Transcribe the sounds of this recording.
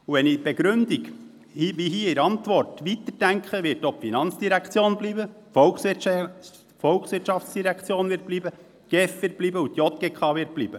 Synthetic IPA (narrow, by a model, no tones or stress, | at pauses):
uʋɛnib̥eɡɾʉndik | himiɦiːɪɾɑntʋɔrtʋit̪əɾd̥æŋkχəʋɪtɔpfinɑnt͡sd̥iɾækχt͡sjoːnbliːbə | fɔlks | fɔlksʋɪtʃɑft͡sd̥iɾækχt͡sjoːnʋɪt̚bliːbə | ɡ̥ɛfʋɪt̚blibəut̪jɔt̪̚ɡ̥ekʰχɑːʋɪt̚b̥liːbə